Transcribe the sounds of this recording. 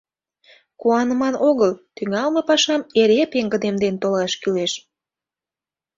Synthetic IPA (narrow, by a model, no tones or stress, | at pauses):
kuɑnəmɑnʔoɣəlt̪yŋɑlməpɑʃɑmeɾepeŋɡə̆d̪emd̪ent̪olɑʃkyleʃ